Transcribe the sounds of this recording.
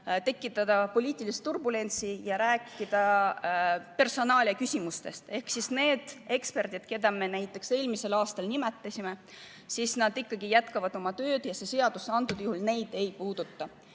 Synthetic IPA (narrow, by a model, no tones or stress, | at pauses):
t̪e̞kːˑit̪ːˑɑd̪ɑpo̞lʲiːt̪ːˑilist̪t̪ːurbule̞nt̪sijɑɾæːkːid̪̥ɑ | pe̞rso̞nɑːlʲɑkysʲimust̪e̞st̪e̞hksisne̞ːd̪̥e̞kspe̞rd̪̥id̪̥ke̞d̪ɑme̞næjt̪ˑːe̞kse̞ːlmise̞lɑːst̪ɑlnimet̪ːˑɑsʲime̞ | sisnɑd̪ikːɑɡijæt̪kɑvɑd̪̥o̞mɑt̪ø̞ːd̪̥jɑse̞se̞ɑd̪̥usːeɑnt̪ːˑud̪̥juhulne̞jd̪̥e̞jpuːd̪̥ut̪ːɑ